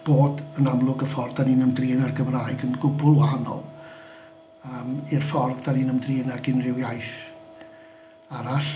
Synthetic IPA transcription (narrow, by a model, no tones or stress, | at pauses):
b̥oːdənamlˠʊɡərfɔrðdaniːnəmdriːnarɡəmraːjɡənɡʊbʊlˠwhanɔ̰lˠ | əːmirfɔrðd̥aniːnəmdriːnaɡɪnrɪwjajθ | aɾaɬ